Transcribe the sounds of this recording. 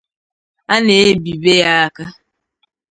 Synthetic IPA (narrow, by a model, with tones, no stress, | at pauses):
a˦ne˨e˦bi˨be˦ja˦a˦ka˦